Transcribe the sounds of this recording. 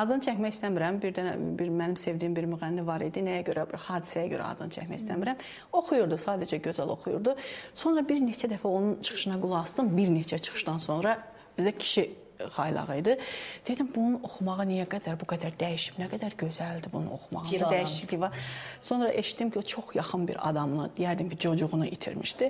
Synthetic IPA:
ɑd̪ɯnɯt͡ʃʰæçmæçist̪æmiɾæmbiɾd̪æn̰biɾmænimse̞vd̪iːimbiɾmyʁænːivɑɾḭd̪inæjæɟø̞ɾæbihɑːd̪i̥sæjæɟøɾʔæ̰ɑ̰d̪ɯnɯt͡ʃʰæ̰cmæ̰çist̪æmiɾæm | o̞xujuɾd̪usɑːd̪æd͡ʒæɟø̞zælo̞̰xujṵɾd̪uso̞nɾɑbiɾnet͡ʃʰæd̪æfæo̞nunt͡ʃʰɯ̥χɯ̥ʃɯnɑɡulˠuɑst̪ɯmbiɾnet͡ʃʰæt͡ʃʰɯ̥xɯ̥ʃd̪ɑnso̞nɾɑ | øzæcʰi̥ʃi | χɑjlˠɑ̰ʁɯid̪ɯd̪̥ed̪imbununo̞xumɑʁɯnijæɡæd̪æɾbuɡæd̪æɾd̪æjiʃi̥bnæɡæd̪æɾɟø̞zæld̪ibunṵno̞̰xumɑ̰ʁnd̪d̪æjiʃicliçvɑɾso̞nɾɑʔe̞ʃi̥t̪ːimcʰiot͡ʃʰo̞χjɑχɯnbḭɾɑ̰d̪ɑmlˠɯ̰d̪ijæd̪imcʰid͡ʒʰo̞d͡ʒuʁunuʔḭt̪ʰḭɾmḭʃd̪i

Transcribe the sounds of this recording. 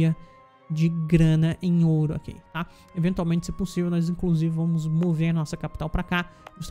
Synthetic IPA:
ɐ | d͡ʒɪɡɾɐ̃nɐʔẽj̃oɾʊa̰kḭt̪a | evẽnt̪uawmẽnt͡ʃɪsɪpʊsivewnɔzĩkluzivɪvɐ̃mʊzmoveɾɐnɔsɐkapi̥t̪awpɾakaust̪

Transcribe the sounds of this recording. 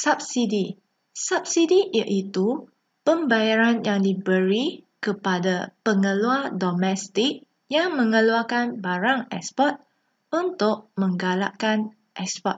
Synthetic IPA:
sap̚sidi | sap̚sidijaʔit̪u | pəmbajaɾanjaŋdibəɾikəpadapəŋə̃luadomɛ̃st̪ɪk̚ | jaŋmə̃ŋəluakanbaɾaŋɛkspɔt̪̚ | unt̪ʊʔ̚mə̃ŋɡala̰ʔkan | ʔɛkspɔt̪̚

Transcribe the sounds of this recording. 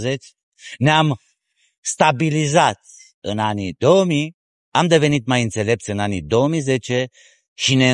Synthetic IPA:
zet͡ʃʲ | neam | st̪abilizat̪̚ | ɨnanid̪o̞wəmi | amd̪e̞ve̞nit̪̚majɨnt̪se̞le̞p̚t̪sʲɨnanḭd̪o̞wəmize̞t͡ʃe̞ | ʃine̞

